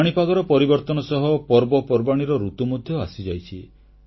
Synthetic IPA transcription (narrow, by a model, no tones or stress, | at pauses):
ɽ̃ipaɡɔɾɔpɔɾibɔɾt̪ɔnɔsɔɦɔpɔɾbɔpɔɾbaɽ̃iɾɔɾut̪umɔd̪ʱjɔasid͡ʒajt͡ʃʰi